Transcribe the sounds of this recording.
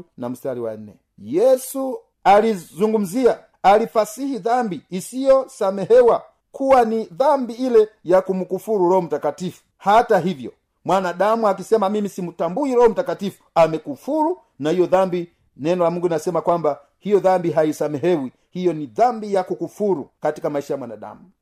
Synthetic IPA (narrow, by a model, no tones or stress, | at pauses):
na̰m̩staliwa̰n̩nɛ̰ | jɛsu | alizuŋɡum̩zia | alifasihiðambiːsijɔsamɛhɛwa | kʰuwaniðambiilɛjakumukufuɾulɔɔm̩takatifu̥hataɦivjɔ̰ | mwanaɗamuak̬isɛmamimisimutambuilɔhɔm̩takatifu̥amɛkufuɾu | nahijɔðambi | nɛnɔlamuŋɡɛnasɛmakwamba | hijɔðambiɦaisamɛɦɛwi | hijɔniðambijakukufuɾṵkatikamaiʃajamwana̰ɗa̰mu